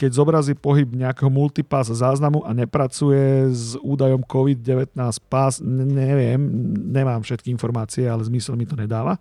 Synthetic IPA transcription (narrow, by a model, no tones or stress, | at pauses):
kɛɟzɔbɾaziːpɔɦibɲɛakɛɦɔmult̪ipaszaːznamuʔaɲɛpɾat͡sujɛzuːd̪ajɔmkɔʋid̪̚ɟɛʋɛt̪naːspasɲɛʋɪɛmɲɛmaːmfʃɛt̪̚kiinfɔɾmaːt͡siɛalɛzmisɛlmit̪ɔɲɛd̪aːʋa